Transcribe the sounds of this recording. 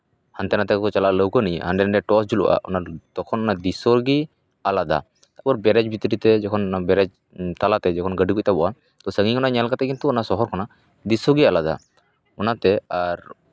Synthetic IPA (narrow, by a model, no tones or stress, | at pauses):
hant̪ɛnat̪ɛkɔkɔt͡ʃalaʔləwkənijhanɖɛnaɖɛʈɔsd͡ʒulṵwʔa̰ʔɔ̰nat̪ɔkʰɔnɔnad̪isɔɾɡi | alad̪a̰ | t̪aʔbɔɾbɛɾɛd͡ʒbit̪ɾit̪ɛd͡ʒɔkʰɔnɔnabɛɾɛd͡ʒ | t̪alat̪ɛd͡ʒɔkʰɔnɡəɖikuc̚t̪abɔwʔa | t̪ɔsəŋikɔnaʔɲalkat̪ɛkint̪uɔnasɔɦɔɾkɔna | d̪isɔɡialad̪a̰ | ɔnat̪ɛaɾ